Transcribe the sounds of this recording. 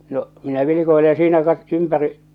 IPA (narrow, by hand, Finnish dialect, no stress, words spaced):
no minæ ʋilikoile jɑ siːnæ kɑt ympæri